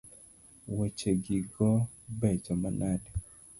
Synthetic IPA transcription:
wɛt͡ʃeɡiɡɔ | bɛt͡ʃɔmanadɛ

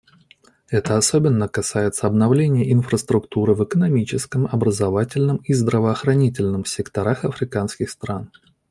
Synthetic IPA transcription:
ɛt̪əɐsobʲɪnːəkɐsajɪt̪səɐbnɐvlʲenʲɪjəʔɪnfɾəst̪ɾʊkt̪uɾɨvɨkənɐmʲit͡ɕɪskəmɐbɾəzɐvatʲɪlʲnɨmizd̪ɾəvəːxɾɐnʲit̬ʲɪlʲnɨmsʲɪkt̪ɐɾaxɐfɾʲɪkanskʲɪxst̪ɾan

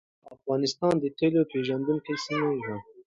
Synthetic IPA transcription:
afɣɑːnɪst̪ɑːnd̪ət̪ʰelopʰeʒand̪unkesinaã

